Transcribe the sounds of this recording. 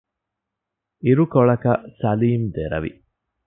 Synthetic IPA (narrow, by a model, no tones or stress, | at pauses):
iɾukoɭɐkɐsɐliːmd̪eɾɐ̰ʋḭ